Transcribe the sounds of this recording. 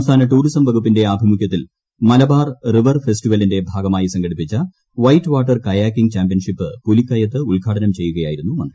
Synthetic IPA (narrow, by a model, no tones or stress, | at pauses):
mst̪ʰaːnɐʈuːɾisɐmʋɐɡʰupːinde̞aːbʱimukjɐt̪ːil | mɐlɐbaːrriʋɐrfe̞sʈiʋɐlinde̞bʱaːɡɐmaːjisɐŋɡɐɽipːit͡ɕːɐ | ʋɐjtːʋaːʈːɐrkɐjaːkːiŋt͡ɕaːmbijɐnʂipːɨpulikːɐjɐt̪ːɨulɡʱaːʈʰɐnɐmt͡ɕe̞jːuɣɐjaːjiɾunːumɐnd̪i